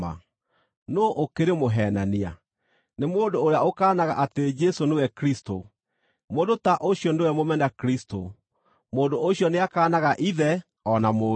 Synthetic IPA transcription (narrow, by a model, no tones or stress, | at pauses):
a̰ | noːʔokeɾemoɦɛːnania̰ | nemoːndoːɾeaokaːnaɣa̰ʔated͡ʒɛsonewɛkɾisto | moːndotaʔoɕiɔndewɛmomɛnakɾisto̰ | moːndoʔoɕjɔneakaːnaɣaʔiðɛ | ɔnamoː